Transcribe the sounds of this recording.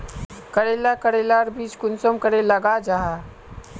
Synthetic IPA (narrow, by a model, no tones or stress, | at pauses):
kəɽeːlakəɽelaːɾbiːt͡ʃkʊnsomkəɾeləɡad͡ʒaːɦa